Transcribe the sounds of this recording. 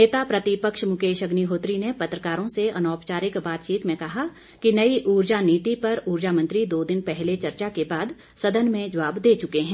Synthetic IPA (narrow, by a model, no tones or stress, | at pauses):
neːt̪apɾɐt̪ɪpəkʃmʊkeːʃɐɡniɦoːt̪ɾinepɐt̪ɾəkaːɾõseɐnɔːpt͡ʃaːɾɪkbaːt̪t͡ʃiːt̪mẽkɐɦa | kinɐiʔuːɾd͡ʒaniːt̪ipɐɾuːɾd͡ʒamə̃nt̪ɾid̪oːd̪ɪnpɛɦlet͡ʃɐɾt͡ʃakebaːd̪ | sɐd̪ənmẽd͡ʒɐʋaːbd̪eːt͡ʃʊkeɦɛ̃ː